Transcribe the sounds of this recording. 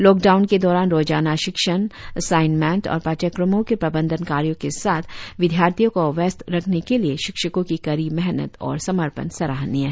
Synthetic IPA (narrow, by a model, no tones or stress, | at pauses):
lɔːk̚ɖaːʊnked̪ɔːɾaːnɾoːd͡ʒaːnaʃɪkʃənsaːɪnmɛ̃ːɳʈɔ̰ːɾpaːt͡ʃəkɾəmõkepɾɐbə̃nd̪ʱənkaːɾjõkesaːt̪ʰʋɪd̪ʱjaːɾt̪ʰijõkoʋɛst̪ɾɐkʰnekelieʃɪkʃəkõkikɐɾiːbmɛɦnə̰t̪ɔ̰ːɾsɐməɾpə̰nsɐɾaːɦnijaɦɛ